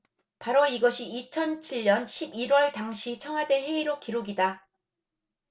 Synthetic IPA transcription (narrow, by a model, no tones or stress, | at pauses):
paɾoiɡʌɕʰiːt͡ɕʰʌnt͡ɕʰiʎːʌnɕʰibiɾwʌɭtaŋɕʰit͡ɕʰʌŋwade̞ɦe̞iɾokiɾoɡida